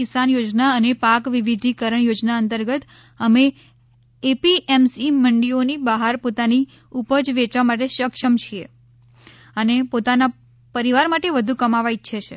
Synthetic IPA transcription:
ɪsanjod͡ʒnaənepakʋiʋid̪ʱikəɾəɳjod͡ʒnaənt̪əɾɡət̪ | əmeː | piʔɛmsiməɳɖionibaɦaɾpot̪ani | upəd͡ʒʋet͡ʃʋamaʈeʃəkʃəmt͡ʃʰie | ənepot̪ana | pəɾiʋaɾmaʈeʋəd̪ʱũkəmaʋait͡ʃʰet͡ʃʰḛ

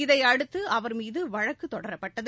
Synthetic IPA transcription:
ɪðɐɪɐɽɯt̪ːɯʔɐʋɐɾmiːðɯʋɐɻɐkːɯt̪ːɔɽɐɾɐpːɐʈːɐð

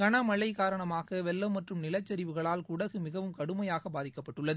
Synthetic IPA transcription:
kɐɳɐmɐɭːɐɪkaːɾɐɳɐmaːɣɐʋɛlːɐmːɐʈrɯmnɪlɐt͡ʃːɐɾɪʋɯɣɐɭaːlkʊɽɐɣɯmɪɣɐʋɯmkɐɽɯmɐjaːɣɐbaːðɪkːɐpːɐʈːɯɭːɐðɯ

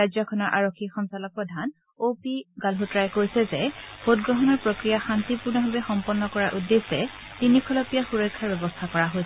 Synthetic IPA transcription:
ajzɔkʰɔnɔɹʔa̰ɹokʰːixɔnsalɔpɹɔdʱan | opiɡalɦutɹajkoɹisɛzɛbot̚ɡɹɔɦɔnɔɹpɹokɹijaxantipuɹnɔɦobɛxɔmpɔnːɔkɔɹaʔudːesɛ | tinikʰɔlɔpijaxuɹɔjkʰːaɹbɛbɔstʰakɔɹaɦojs

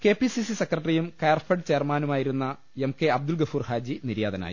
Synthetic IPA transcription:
ke̞ːpisisisekrɐʈːrijumkejɐrfɐɖt͡ɕeːrmaːnumaːjiɾunːɐ | emke̞ɐb̚d̪ulɡɐfuːrhaːd͡ʑiniɾjaːd̪ɐna̰ːjḭ

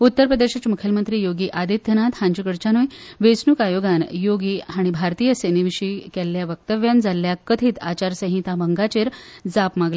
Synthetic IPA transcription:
ut̪ːəɾpɾəd̪eɕat͡ɕamukʰjəlmənt̪ɾiːjoɡiːʔad̪ʱit̪̚ːənat̪hãɲd͡ʑukəɽt͡ɕanujʋesnukajoɡanjoɡiːɦaɽ̃ibʱaɾt̪iːjəseniʋiɕiːkɛlːjaʋək̚t̪əʋjand͡zalːjakət̪ʰiːt̪a̰t͡ɕaɾsə̃ɦĩt̪abəŋɡat͡ɕeɾd͡zapmaɡle

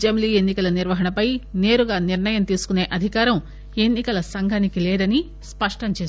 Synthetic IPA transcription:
d͡ʒemliːenːikɐlɐniɾʋɐɦɐnɐpɐjne̞ːɾuɡaːniɾnɐjɐmt̪iːsu̥kune̞ːʔɐd̪ʱikaːɾɐm | e̞nːikɐlɐsɐŋɡʱɐnikilɛːd̪ɐni | spɐʂʈɐmt͡ʃeːs

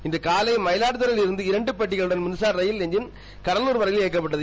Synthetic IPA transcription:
ɪnd̪ɐkaːlɐɪmɐjɪlaːʈɯðɐɾɪlɪɾɯnd̪ɯɪɾɐɳɖɯpɐʈːɪɣɐɭɯɽɐnmʊnsaːɾɾɐjɪlɛɲd͡ʒɪn | kɐɾɐluːɾʋɐɾɐɣɪleːk̬ːɐpːɐʈ̬ːɐðɯ

